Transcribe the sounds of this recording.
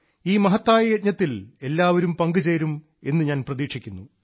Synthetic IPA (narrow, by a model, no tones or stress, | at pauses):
iːmɐɦɐt̪ːaːjɐjɐt̪̚ɲɐt̪ːile̞lːaːʋɐɾumpɐŋɡɨt͡ɕeːɾum | e̞nːɨɲaːnprɐðiːkʂikʲːunːu